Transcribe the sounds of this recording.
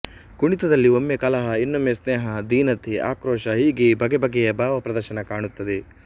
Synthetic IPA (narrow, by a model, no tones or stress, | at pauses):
ɡuɳit̪ɐd̪ɐlːiomːekɐlɐɦɐinːomjesneːɦɐd̪iːnɐt̪ʰiʔa̰ːkɾoːʃɐɦiːɡebʱɐɡɛbɐɡɛjɐbaːʋɐpɾɐd̪ɐɾʃɐnɐkaːɳut̪ːɐd̪e